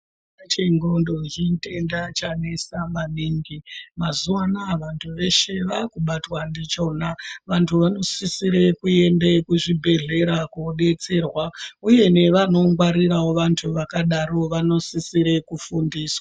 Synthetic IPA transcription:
at͡ʃeŋɡo̞ndo̞ɦinte̞ndat͡ʃanesamaniŋɡimazuanaʋantʰuʋe̞ʃe̞ʋakuɓatwandit͡ʃo̞naʋantʰuʋano̞sisiɾe̞kue̞nde̞kuʐibʱe̞ɮe̞ɾakoɗe̞t͡se̞rwauje̞ne̞ʋano̞ŋɡwaɾirawo̞ʋantʰuʋakaɗaɾo̞ʋano̞sisiɾe̞kufundiːswa

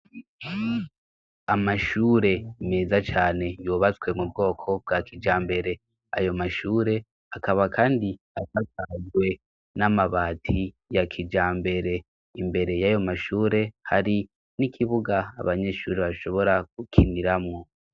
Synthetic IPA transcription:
amaʃuːɾe̞ime̞ːzat͡ʃaːne̞juːβat͡swe̞mub̚ɡo̞ːkʰo̞b̚ɡakʰid͡ʒaːmbe̞ɾe̞ | a̰jo̞maʃuːɾe̞ | akaβakʰaːndi | akasazɡwe̞ | namaβaːtʰi | jakʰid͡ʒaːmbe̞ɾe̞ | imbe̞ɾe̞jajo̞maʃuːɾe̞haɾi | nikʰiβuɡa̰ːβaɲe̞ʃṵːɾeβaʃo̞βo̞ɾaɡukʰiniɾamŋo

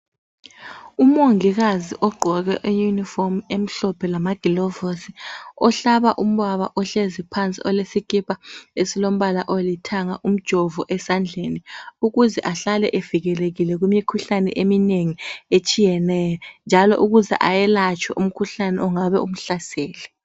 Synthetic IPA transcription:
umoŋiɣaziʔɔɡ͡ǃʱɔɣɛ̰ʔejunifɔmem̩ɬɔpʰɛlamaɡ̥ʱilɔvosiɔɬaβaʔum̩βaβaʔɔɬezipʰant͡sʼḭʔɔlesikʼipʰʼaesilom̩βalaʔolitʰaŋaʔum̩d̥ʒ̥ʱɔvuʔɛsand͡ɮʱeniuɣuzɛʔaɬalɛʔev̥iɣɛleɣilɛɣumikʰuɬanɛ̰ʔemineŋiet͡ʃʼijɛnɛːjɔnd͡ʒʱalɔ̰ʔuɣuzɛ̰ʔajɛlat͡ʃʼwɛ̰ʔum̩kʰuɬanɛɔŋaβɛ̰um̩ɬasɛːlɛ

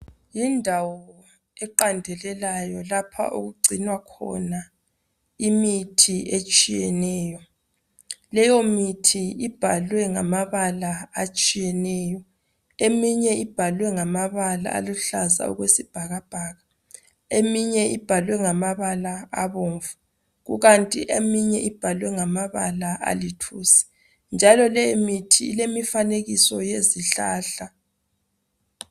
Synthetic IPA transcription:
jindʱawɔ | ɛǃandʱɛlɛlajɔlapʰa̰ʔṵɣuɡ͡ǀʱinwakʰɔ̰na | imitʰiet͡ʃʼijɛnɛːjɔ | lɛjɔmitʰiib̥ʱalwɛŋamaβalaat͡ʃʼijɛnɛːjɔ | emiɲɛʔib̥ʱalwɛŋamaβala̰a̰luɬaza̰ṵɣwesib̥ʱaɣab̥ʱaːɣa | emiɲɛʔib̥ʱalwɛŋamaβalaaβoːɱvu | ɣṵɣantʼḭʔemiɲɛʔib̥ʱalwɛŋamaβa̰laʔa̰litʰuːsi̥ | nd͡ʒʱalɔlɛmitʰḭːlemifaneɣisɔjeziɬaːɬa

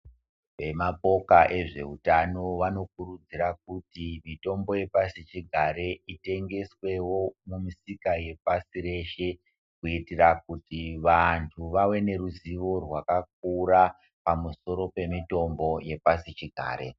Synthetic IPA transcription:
ʋe̞mapo̞kaʔe̞ʐe̞utano̞ʋano̞k̚uɾud͡ziɾak̚utimito̞mbo̞je̞pasit͡ʃiɡʱaɾe̞ite̞ŋɡe̞swe̞wo̞mumisikaje̞pasiɾe̞ʃe̞ | kuitirak̚utiʋantʰuʋawe̞ne̞ɾuziʋo̞rwakak̚ura | pamuso̞ɾo̞pe̞mito̞mbo̞je̞pasit͡ʃiɡʱa̰ːɾe̞̰

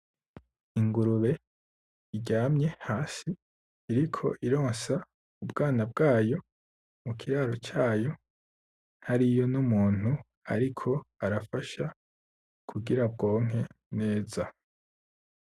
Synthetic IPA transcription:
iŋɡuɾuβe̞ | iɟaːmɲe̞haːsiː | ɾikʰo̞̰ʔiɾo̞ːnsa | ubɡaːnab̚ɡaːjo̞ | mukʰiɾaːɾo̞t͡ʃaːjo̞ | haɾijo̞numuːn̥u | a̰ɾikʰo̞aɾafaʃa | kʰuɡiɾab̚ɡo̞ːŋ̥e̞ | ne̞ːza

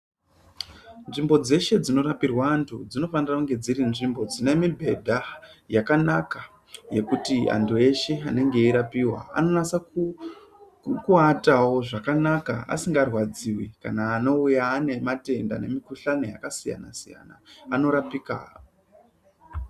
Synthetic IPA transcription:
nʐimbo̞d͡ze̞ʃe̞d͡zino̞ɾapirwaːntʰud͡zino̞fanirakuŋɡe̞d͡ziɾinʐimbo̞d͡zine̞mibʱe̞dʱajakanaka | je̞kutia̰ndʰue̞ʃe̞ane̞ŋɡe̞iɾapiwa̰a̰no̞nasa | kuatawo̞ʐakanakaa̰siŋɡarwad͡ziwika̰naːno̞ujaːne̞mate̞nda̰ne̞mikuɬano̞jakasija̰na̰sija̰naːno̞ɾapika̰o

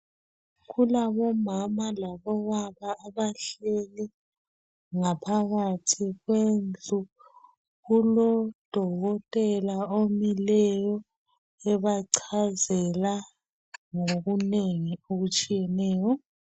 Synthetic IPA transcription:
ɣulaβɔmamalaβɔɣaβaːβaɬɛlɛ | ŋapʰaɣatʰiɣwend͡ɮʱu | ɣulɔd̥ʱɔɣɔtʼɛlaomilɛjɔ | ɛβaǀʰazɛla | ŋoɣuneŋioɣut͡ʃʼijɛnɛːjɔ

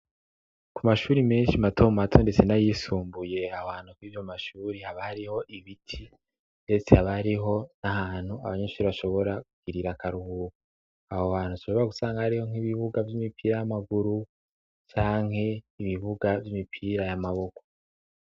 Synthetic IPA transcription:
kumaʃuːɾime̞ːnʃimatʰo̞matʰonde̞t͡se̞najiːsuːmbuje̞aohaːnhukwiːvjo̞maʃuːɾihaβahaɾiho̞ʔiβitʰi | nde̞t͡sehaβahaɾiɦo̞nahaːn̥hua̰βaɲeʃuːɾiβaʃo̞βo̞ɾakuɡ̥iɾiɾakaɾuhuːko | ahoβaːnhuaʃoβo̞ɾaɡusaːŋɡahaɾiho̞ŋ̥iβiβuɡavimipʰiːɾajamaɡuɾu | t͡ʃaːŋhe̞iβiβuɡavjimipʰiːɾajamaβo̞ko̥

